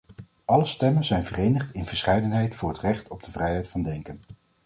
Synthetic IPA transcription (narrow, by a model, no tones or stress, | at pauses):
ʔɑləstɛmənzɛjnvərejnəχtɪnv̥əɹsχɛjdənɦɛjtfʊːɹɦətrɛχtʰɔb̚dəvrɛjɦɛjtfɑndɛŋkən